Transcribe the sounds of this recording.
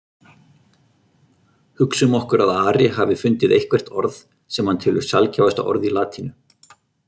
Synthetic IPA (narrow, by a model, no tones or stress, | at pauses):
hʏksʏmɔhkʏɾaðaːɾɪɦavɪfʏnt̪ɪðejhkvɛr̥t̪ɔɾð | sɛmhant̪ʰɪlʏ̥sjalcavast̪a̰ʔɔ̰ɾðilaːt̪ʰinʏ